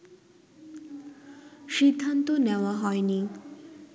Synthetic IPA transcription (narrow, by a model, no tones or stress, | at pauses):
ʃid̪ʱːant̪oneoaɦɔeni